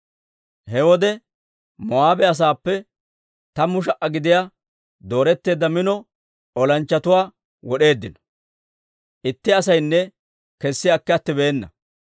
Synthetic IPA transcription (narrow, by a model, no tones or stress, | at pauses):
hɛwɔd̪ɛ | mɔaːbɛɐs̬aːpːɛ | t̪ɐmʊʃ̬ɐʔɐɡɪd̪ɪjaː | d̪o̞ːɾɛt̪ːe̞ːd̪ːɐmɪnɔ | ɔlɐnt͡ʃːɐt̪ʊwaː | wɔɗe̞ːd̪ːɪnɔ̥ | ʔɪt̪ːɪɐsɐjnːɛ | kɛsːɪakːɛɐt̪ːɪbe̞ːnːɐ̰